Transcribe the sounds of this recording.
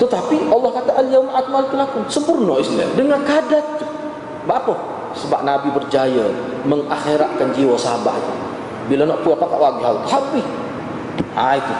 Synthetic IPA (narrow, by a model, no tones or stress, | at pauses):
t̪ət̪apiʔɑlˠːɑhkat̪aʔəljawmaʔat̪̚malɪkt̪əlakʊŋsəmpʊrnɔisla̰dəŋankadat̪̚t͡ʃu | baʔapə | səbap̚nabibərd͡ʒajə | məŋaxeɾat̪̚kand͡ʒiwasabaht̪u | bilanɔʔpuapakaʔwaɡiɦalhabi | ait̪u